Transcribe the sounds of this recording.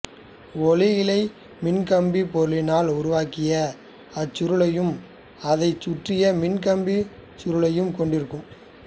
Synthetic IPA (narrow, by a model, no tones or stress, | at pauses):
ɔlɪjɪlɐɪ | mɪnkɐmbipɔɾɯlɪnaːlʊɾʊʋaːkɪjɐ | ɐt͡ʃːʊɾɯɭɐjɯm | ɐðɐɪt͡ʃːʊʈrɪjɐmɪnkɐmbi | t͡ʃʊɾɯɭɐjɯmkɔɳɖɪɾɯkːɯm